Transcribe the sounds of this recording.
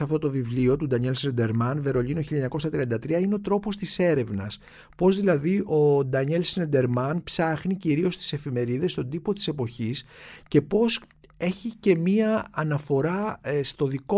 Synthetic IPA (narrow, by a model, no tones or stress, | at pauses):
ɐft̪o̞t̪o̞vivlio̞t̪ud̪ɐɲelsend̪eɾmɐnve̞ɾo̞ʎinoçiʎɐɲɐko̞sɐt̪ɾiɐnd̪ɐt̪ɾiɐineo̞t̪ɾo̞po̞st̪ise̞ɾe̞vnɐs | po̞zðilɐðiʔo̞d̪ɐɲelsend̪e̞ɾmɐnpsɐxniciɾio̞st̪i̥se̞fime̞ɾiðe̞st̪o̞d̪ipo̞t̪i̥se̞po̞çisce̞po̞se̞çice̞miɐːnɐfo̞ɾɐst̪o̞ðiko